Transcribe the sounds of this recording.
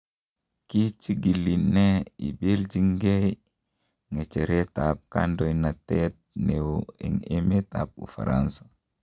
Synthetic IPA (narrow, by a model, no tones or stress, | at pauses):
kit͡ʃiɡilineḭbeld͡ʒiŋɡej | ŋet͡ʃeɾet̪ap̚ka̰ndoinat̪et̪̚newɛ̰ŋemet̪a̰p̚ṵfa̰ɾa̰nsḁ